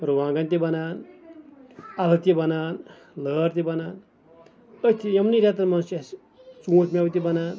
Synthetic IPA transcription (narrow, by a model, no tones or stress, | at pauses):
ɾuʋãːŋɡant̪ibɐnaːn | alɐt̪jibɐnaːn | ləːɾt̪ibɐnaːn | ət̪ʰijɐmniɾʲat̪̬ɐɾmansas | t͡suːsmʲawt̪̬ibɐnaːn